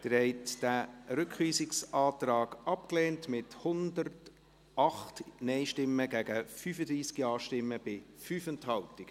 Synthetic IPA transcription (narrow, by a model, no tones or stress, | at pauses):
d̥əɾɛɪtd̥æːɾʏkχʋiːsɪksɑːtɾɑːɡ̥ɑp̚kleːntmɪthʊndərt | ʔɑχtnɛɪʃtɪmːəɡæɡ̥əfyːfədɾiːskiɑːʃtɪmːəb̥ɪfyːfənthɑltɪɡ̥ə